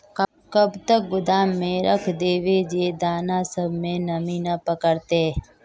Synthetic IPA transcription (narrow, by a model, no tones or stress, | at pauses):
kəbt̪ək̚ɡʊd̪aːmːẽɾəkʰd̪eːʋeːd͡ʒeːd̪aːnãːsəbʱmẽːnəmĩːnaːpəkəɾt̪eː